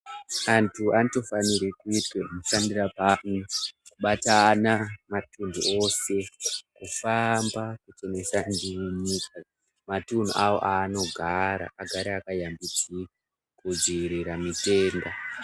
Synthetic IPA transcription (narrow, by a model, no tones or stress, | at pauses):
antʰuanito̞faniɾekuitwemuʃandirapanikuɓatanamatundṵʔo̞se̞kufambakut͡ʃe̞me̞sandiwiɲiːka | matun̤ṵʔawo̞̰ʔaːno̞ɡʱaɾa̰ʔaɡʱaɾiakajambit͡si | kud͡ziːɾiɾamite̞ːnda